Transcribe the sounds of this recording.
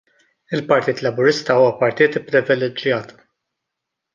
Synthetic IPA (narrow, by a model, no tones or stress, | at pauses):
ɪlpɐɾt̪iːt̪lɐbʊɾɪst̪ɐuːwɐpɐɾt̪iːt̪ɪpːɾɪvɛlɛd͡ʒjɐːt̪